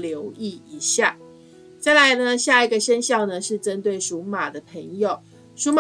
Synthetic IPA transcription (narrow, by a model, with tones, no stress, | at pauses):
ljo˧˥ʊi˥˩i˨˩ɕja˥˩ | t͡sa˥˩ɪla˧˦ɪnə˧ɕja˥˩i˨˩ɡə˨ʂə˥nɕjɑ˥˩ʊnə˨ʂɻ̩˥˩ʈ͡ʂə˦˥nt̪we˥˩ɪʂu˧˥ma˨˩d̪ə˦pʰə˧˥ŋjo˨˩ʊ | ʂu˧˥ma˨